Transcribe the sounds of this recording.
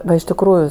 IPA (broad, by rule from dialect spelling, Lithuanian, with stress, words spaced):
ˈʋɐ ɪʃ tʲɪkˈruːjʊ